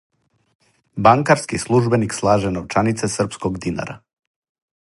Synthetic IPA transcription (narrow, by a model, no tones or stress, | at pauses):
baŋkaɾskislˠuʒbenikslˠaːʒɛnoʋt͡ʃanit̪sesr̩pskoɡd̪ina̰ɾʔa̰